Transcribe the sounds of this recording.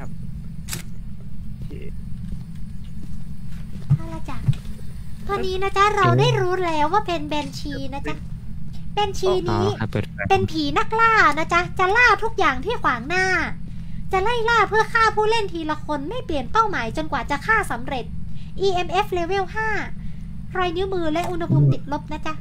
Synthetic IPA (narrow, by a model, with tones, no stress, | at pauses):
t̪ʰa˧˩la˧˥˩t͡ɕa˧˩ | t̪ʰɔː˧nːiː˦˥na˦˥t͡ɕʰa˦˥ɾa˧wdaː˥˩jɾuː˦˥lɛː˦˥wːaː˥˩pe˧nbɛː˧nt͡ɕʰiː˧na˦˥t͡ɕʰa˦˥ | bɛː˧nt͡ɕʰiː˧niː˦˥pe˧npʰiː˩˦na˦˥˩k̚laː˥˩˧na˦˥t͡ɕa˦˥t͡ɕa˨˩laː˥˩t̪ʰu˦˥k̚jaː˨˩ŋt̪ʰiː˥˩kʰwaː˩˦˩ŋnaː˥˩ | t͡ɕa˨˩la˥˩jlaː˥˩pʰɯ˥˩ɐkʰaː˥˩pʰuː˥˩le˥˩nt̪ʰiː˧la˧kʰo˧nma˥˩jpli˨˩ənpa˥˩wmaː˩˦jt͡ɕo˧nkwaː˨˩t͡ɕa˨˩kʰaː˥˩sa˩˦mɾe˨˩t̪̚ʔiː˧ʔe˧mʔe˦˥fleː˧we˥˩whaː˥˩ | ɾɔː˧jnɯ˦˥mɯː˧lɛ˦˥ʔu˧nha˧pʰuː˧mt̪i˨˩t̪̚lo˦˥p̚na˦˥t͡ɕa˦˥